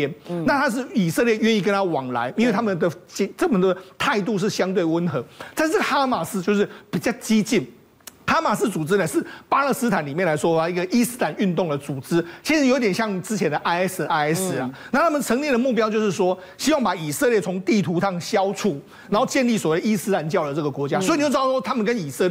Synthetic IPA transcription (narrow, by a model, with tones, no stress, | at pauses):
ɛ˥nna˥˨˩t̪ʰa˥ʂ̬ɻ̩˥˩i˨˩sɤ˥˧ljɛ˥˩ɥɛ˥˧ni˥˩k̬ə˥nt̪ʰa˦˥wɑ˨˩ŋla̰˧˦ɪi˥nwe˥˩ɪa˥mə˨nd̪ə˩t͡ɕɛ˧˦ʈ͡ʂə˥˩mə˨nd̪ə˩t̪ʰa˥˧ɪt̪u˥˧ʂ̬ɻ̩˥˩ɕjɑ˥ŋt̪we˥˩ɪwə˧˥nxɤ˧˦t̪a˥˧nʂ̩˥˩xa˥ma˨˩s̩˥t͡ɕjo˥˧ʊʂ̬ɻ̩˥˩pi˨˩t͡ɕjɑ˥˧ʊt͡ɕi˥t͡ɕi˥˩n | ha˥ma˨˩s̬̩˥t͡su˨˩t͡sɹ̩˥nə˨ʂɻ̩˥˩pa˥lə˥˧sɹ̩˥t̪ʰa˨˩˦nli˨mjnla˧˥ɪʂwɔ˥fa˥i˧˥ɡə˨ʔi˥s̩˥la˨˩˦ny˥˧nt̪ʊ˥˨˩ŋd̪ə˩t͡su˨˩t͡sɹ̩˥t͡ɕʰi˧˥ʂɻ̩˧˥jo˧˦i˧t̪jɛ˨˩nɕjɑ˥˩ŋi˨˩t͡sɹ̩˥t͡ɕʰjɛ˧˥nd̪ə˨ʔa˥ɪ˥sd̪ə˨a˥ɪɛ˥s̩˧˥a˨na˥˩t̪ʰa˥mə˨nt͡sʰə˧˥ŋnjɛ˥˩nd̪ə˩mu˥˩p̬jɑ˥ʊt͡ɕjo˥˧ʊʂɻ̩˥˩ʂwɔ˥ | ɕi˥wɑ˥˩ŋpa˨˩i˨˩sə˥˧ljɛ˥˩t͡sʰʊ˧˥ŋt̪i˥˩t̪ʰu˧˥ʂɑ˥˨˩ŋɕjɑ˥ʊt͡sʰu˥˩ | na˨˥nho˥˧ʊt͡ɕjɛ˥˧nli˥˩swɔ˨we˥˩d̪ə˧i˥sɹ̩˥la˧˦nt͡ɕjɑ˥˩ʊd̪ə˩t͡sɤ˥˩ɡə˩kwɔ˧˥t͡ɕja˦swi˨o˥˧˥w̬ɔ˥t̪ʰa˥mə˨nkə˦ni˨˩sə˥˧l